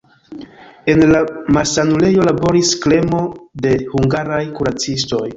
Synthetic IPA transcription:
e̞nlamaɾsanule̞jo̞labo̞ɾiskle̞mo̞de̞huŋɡaɾajkuɾat͡sisto̞j

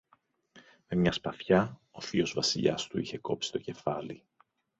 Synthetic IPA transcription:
me̞mɲɐspɐθçɐo̞fio̞zvɐsiʎɐ̰st̪uiçe̞ko̞̰psi̥t̪o̞ce̞fɐli

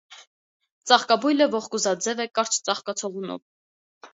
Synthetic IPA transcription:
t͡sɑχkɑbujləvɔχkuzɑd͡zɛvɛkɑɾt͡ʃʰt͡sɑχkɑt͡sʰɔʁunɔ̰v

